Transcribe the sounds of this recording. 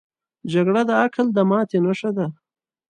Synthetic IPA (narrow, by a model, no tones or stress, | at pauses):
d͡ʒaɡɽad̪əakʰəld̪əmɑːt̪enaʂad̪a